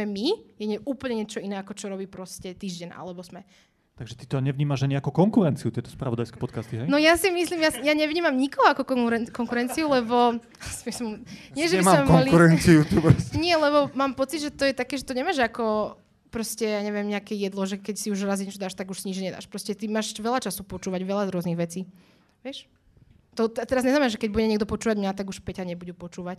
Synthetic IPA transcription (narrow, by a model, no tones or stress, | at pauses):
ɛmijɛɲɛuːpl̩ɲɛɲɪɛt͡ʃɔinɛːakɔt͡ʃɔɾɔbiːpɾɔscɛt̪iːʒɟɛɲʔa̰lɛbɔsmɛ | t̪aɡʒɛt̪it̪ɔɲɛʋɲiːmaʒaɲiakukɔŋkuɾɛnt͡siut̪ɪɛt̪ɔ̥spɾa̰ʋɔd̪ajskɛ̥pɔt̪kast̪iɦɛjnɔjasimislimjasjaɲɛʋɲiːmamɲikɔɦɔakɔkkɔŋkuɾɛnt͡siulɛbɔ | si̥mismɲɪɛʒɛbɛimɛkɔliuɾɛnt͡siut̪ubɾsɲɪɛlɛbɔmaːmpɔt͡sid̪ʒɛt̪ɔjɛt̪akɛːʒɛt̪ɔɲɛmaːʒakɔ | pɾɔscɛjaːɲɛʋɪɛmɲɛakɛjɛd̪lˠɔʒɛkɛcsiuʒɾaziɲɛt͡ʃɔd̪aːʃt̪aɡuʃsiɲid͡ʒɲɲɛd̪a̰ːʃpɾɔscɛt̪imaːʃʋɛlat͡ʃasupɔt͡ʃuːʋaɟʋɛlazɾʊɔzniɣʋɛt͡siː | ʋɪɛʃ | t̪ɔt̪ɛt̪ɛɾazɲɛznamɛnaʒɛkɛɟ̚buɟɛɲɛɡd̪ɔpɔt͡ʃuːʋaɟmɲat̪aɡuʃpɛɟaɲɛbuɟupɔt͡ʃuːʋac